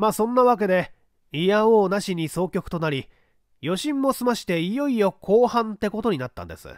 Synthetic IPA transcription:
maːsõ̞nːaβak̬e̞d̪e̞ | ijaoːnaɕiɲ̟iso̞ːkʲo̞kɯ̥t̪o̞naɾʲi | jo̞ɕĩmːo̞sɨmaɕi̥t̪e̞ijo̞ijo̞kʰo̞ːhãnt̪e̞ko̞t̪o̞ɲ̟inat̪ːã̰nd̪e̞sɨ̰

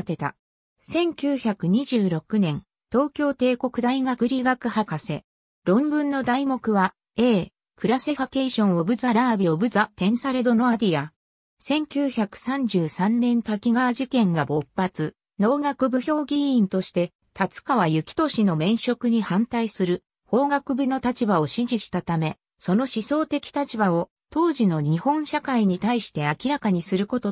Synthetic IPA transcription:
t̪e̞t̪a̰ | sẽ̞ŋkʲɨːçakɯ̟ɲ̟iʑɨːɾo̞kɯ̟nẽ̞n | t̪o̞ːkʲo̞ːt̪e̞ːko̞kɯ̟d̪aiɡakɯ̟ɾʲiɡakɯ̟hakase̞̰ | ɾõ̞mbɯ̟̃nːo̞d̪aimo̞kɯ̟βa | e̞ː | kɯ̟ɾase̞ɸake̞ːɕõ̞ɰ̃o̞bɯ̟zaɾaːbʲio̞bɯ̟zat̪ẽ̞ɰ̃saɾe̞d̪o̞no̞ad̪ʲia | sẽ̞ŋkʲɨːçakɯ̟̥sãɲ̟d͡ʑɨːsãnnẽ̞nt̪akʲiɡaʑikẽ̞ŋɡabo̞pːat͡sɨ | no̞ːɡakɯ̟bɯ̟ço̞ːɡʲĩːnt̪o̞ɕi̥t̪e̞ | t̪at͡sɨ̥kaβajɯ̟kʲi̥t̪o̞ɕino̞mẽ̞ɰ̃ɕo̞kɯ̟ɲ̟ihãnt̪aisɨɾɯ̟ | ho̞ːɡakɯ̟bɯ̟no̞t̪at͡ɕibao̞ɕĩʑiɕi̥t̪at̪ame̞ | so̞no̞ɕiso̞ːt̪e̞kʲi̥t̪at͡ɕibao̞ | t̪o̞ːʑino̞ɲ̟ihõ̞ɰ̃ɕakaiɲ̟it̪aiɕi̥t̪e̞akʲiɾakaɲ̟isɨɾɯ̟ko̞t̪o̞

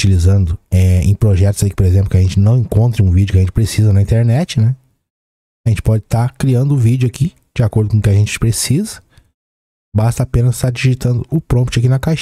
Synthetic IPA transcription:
t͡ʃilizɐ̃nd̪ʊɛḛ̃j̃pɾoʒɛt̪ʊz̥aikɪ̥poɾezẽplʊkɪɐʒẽnt͡ʃɪnɐ̃w̃ẽkõnt̪ɾɐũvid͡ʒʊkɪɐʒẽnt͡ʃɪ̥pɾesizɐnɐĩnt̪eɾnɛt͡ʃɪnɛ | aʒẽnt͡ʃɪ̥pɔd͡ʒɪt̪akɾiɐ̃nd̪ʊvid͡ʒʊaki | d͡ʒɪakoɾd̪ʊkõkɪɐʒẽnt͡ʃɪ̥pɾesizɐ | bast̪ɐaːpẽnɐzt̪aɾd͡ʒiʒit̪ɐ̃nd̪ʊʔʊpɾõmpt͡ʃɪak̬inɐkaʃ

